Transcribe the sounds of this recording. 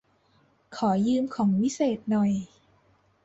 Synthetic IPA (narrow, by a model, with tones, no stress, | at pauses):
kʰɔː˩˦jɯː˧mkʰɔː˩˦ŋwi˦˥seː˨˩t̪̚nɔ˨˩j